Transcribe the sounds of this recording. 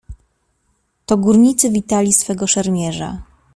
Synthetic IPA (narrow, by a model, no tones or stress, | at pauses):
t̪ɔɡuɾɲit̪sɘvʲit̪alʲisfɛɡɔʂɛɾmʲjɛʐa̰